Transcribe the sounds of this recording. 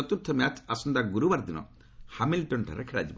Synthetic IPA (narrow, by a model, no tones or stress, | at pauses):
ɔt̪uɾt̪ʰɔmat͡ʃasɔnd̪aɡuɾubaɾd̪inɔ̰ | hamilʈɔɳʈʰa̰ɾekʰiɾa̰d͡ʒibɔ